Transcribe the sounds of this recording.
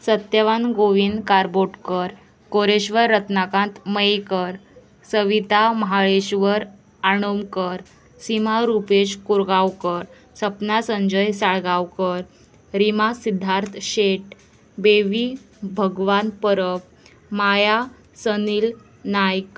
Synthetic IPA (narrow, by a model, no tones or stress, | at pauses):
sət̪jəʋanɡoʋind̪kaɾboʈkəɾ | koɾeɕʋəɾːət̪nakãnt̪məjkəɾ | səʋit̪aməɦaɭeɕʋəɾ | aɽ̃omkəɾ | simaɾupeɕkuɾɡawkəɾ | səpnasə̃ɲd͡ʑəjsaɭɡawkəɾ | ɾimasid̪ʱːaɾt̪ʰɕeʈ | beʋi | bʱəɡʋanpəɾəp̚ | maja | səniːl | najk